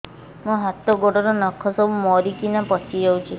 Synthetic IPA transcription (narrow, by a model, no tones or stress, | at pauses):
mũɦat̪ɔɡoɽɔɾɔnɔkʰːɔsɔbumɔɾikinapɔt͡ʃʰid͡ʒɔwt͡ʃʰi